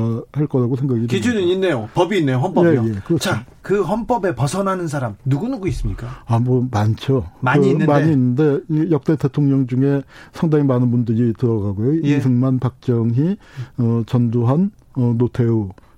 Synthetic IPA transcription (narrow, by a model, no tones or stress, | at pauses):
haɭk͈ʌɾaɡosʰe̞ŋɡaɡideid͡ʑuɲiɲinːe̞jopʌbiːnːejoɦʌnjeje̞kɯɾʌt͡ɕʰa | kɯɸʌnp͈ʌbe̞pʌsʰʌnɦanɯnsʰaɾamnuɡunuɡuis͈ɯmɲik͈aamʌmant͡ɕʰoaɯmaɲiːnːɯnde̞ijʌk̚t͈ete̞tʰoŋɲʌŋd͡ʑuŋe̞sʰaŋdaŋimanɯnbundɯɾitɯɾʌɡaɡojoinsʰɯŋmanpak̚t͡ɕ͈ʌŋɦiʌt͡ɕʌnduɦan | ʌːotʰe̞u